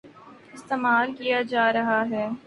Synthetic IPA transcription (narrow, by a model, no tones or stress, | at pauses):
ɪst̪eːmaːlkijad͡ʒaːɾɐɦaɦɛː